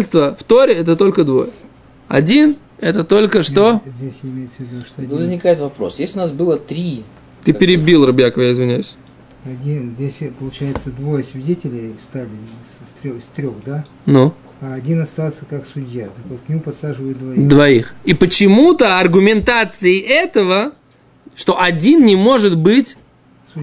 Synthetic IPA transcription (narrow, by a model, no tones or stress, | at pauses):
ɪlʲst̪vəft̪o̞ɾʲɪɛt̪ət̪o̞lʲkəd̪vo̞̰jə | ɐ̰dʲin | ɛt̪ət̪o̞lʲkəʂt̪o̞zʲdʲesʲɪmʲejɪt̪səvʲɪd̪uʂt̪nvəzʲnʲɪkajɪt̪vɐpɾo̞̰sjesʲʊnasbɨlˠət̪ɾʲi | t̪ɨpʲɪɾʲɪbʲilˠrɐbjakəvəjaɪzvʲɪnʲajʊsʲ | ɐdʲinzʲdʲesʲpəlˠʊt͡ɕæjɪt̪səd̪vojəsvʲɪdʲetʲɪlʲɪjfst̪alʲɪst̪ɾʲost̪ɾʲoxd̪a | nu | aːdʲinɐst̪alˠsʲəkaksʊdʲjat̪akvot̪̚knʲɪmupɐt̪saʐɨvəjʊt̪̚d̪vɐid̪vɐixipət͡ɕɪmut̪əɐrɡʊmʲɪnt̪at̪sɨɪʔɛt̪əvə | ʂt̪o̞ʔɐdʲinnʲɪmo̞ʐɨt̪bɨtʲ | su